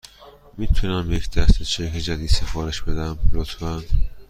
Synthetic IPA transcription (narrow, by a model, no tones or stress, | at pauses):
mit̪ʰunæmjecʰd̪̥æɾt̪ʰet͡ʃʰekʰed͡ʒæd̪iːd̪sefɒːɾeʃb̥e̞d̪æmlot̪ʰfæn